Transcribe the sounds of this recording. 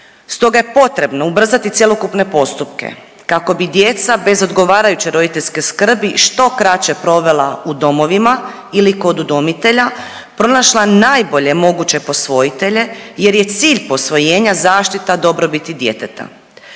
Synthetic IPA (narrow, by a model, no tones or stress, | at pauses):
st̪o̞ɡajepo̞t̪ɾe̞bno̞ubr̩zat̪it̪sjelo̞kupne̞po̞st̪upkḛ | kako̞bid̪je̞t̪sabe̞zo̞d̪ɡo̞ʋaːɾajut͡ɕeɾo̞d̪it̪e̞ʎʲskeskr̩biʃt̪o̞kɾat͡ɕe̞pɾo̞ʋe̞laud̪o̞mo̞ʋima | iliko̞d̪ud̪omit̪e̞ʎa | pɾo̞naʃlˠanaːjbo̞ʎe̞mo̞ɡut͡ɕe̞po̞sʋo̞it̪e̞ʎe̞je̞ɾje̞t̪siːʎpo̞sʋo̞je̞ːɲazaːʃt̪it̪ad̪o̞bɾo̞bit̪id̪je̞t̪et̪a̰